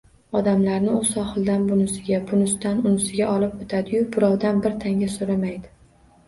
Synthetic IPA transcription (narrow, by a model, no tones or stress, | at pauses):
ɒd̪amlaɾnɪʊɒχɨlˠd̪anbʊnɪsɪɡʲabʊnɪst̪anʊnɪsɪɡʲaʔɒlˠɪpot̪ʰad̪ɪjʊbʊɾɒwd̪anbɪɾt̪ʰaŋɡʲasoɾamajd̪ɪ